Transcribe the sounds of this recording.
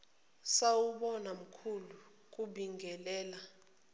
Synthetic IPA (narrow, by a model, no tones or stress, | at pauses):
sawuɓɔnam̩kʰulu | k̬ʼuɓiŋɡʱɛlɛːla